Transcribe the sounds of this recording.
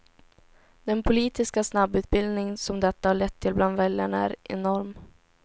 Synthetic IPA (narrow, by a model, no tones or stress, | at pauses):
d̪̥ɛnpʰʊliːt̪ɪskasnabːʉ̟ːt̪̚bɪld̪nɪŋnsɔmd̪ɛt̪ːahaɭɛt̪ʰːɪlbland̪vɛljaɳaæ̰ɾɛ̰nɔɾm